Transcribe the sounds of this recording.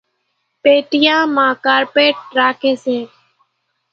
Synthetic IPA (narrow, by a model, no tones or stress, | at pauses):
peːʈɪjãːmãːkaːɾpeːʈ̚ɾaːkʰeːseː